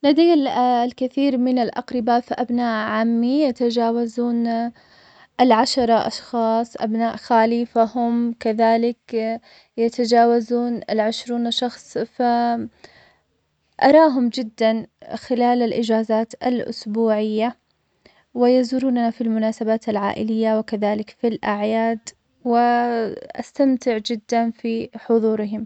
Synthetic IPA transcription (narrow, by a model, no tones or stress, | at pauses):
lad̪ajlkɪθiːɾmɪnalʔɑ̰qɾɪbafiʔabnaːʔʕaːmːijat̪ad͡ʒaːwazuːn | ʔalʕaʃɑɾˤɑʔɑ̰ʃxɑːsˤʔa̰bnaːʔxaːliːfahʊmkaðaːlɪk | jat̪ad͡ʒaːwazuːnalʕɪʃɾuːnʃɑxsˤfa | ʔɑɾˤɑːɦʊmd͡ʒɪd̪ːanxɪlaːlalʔɪd͡ʒaːzaːt̪a̰lʔʊ̰sbuːʕɪjːa | wɪjazuːɾuːnanafilmʊnaːsabaːt̪alʕa̰ːʔɪ̰lɪjːawɪkaðaːlɪkfilʔaʕjaːd̪ | wɪʔa̰st̪amt̪ɪʕd͡ʒɪd̪ːanfiħʊðˤuːɾɪɦɪm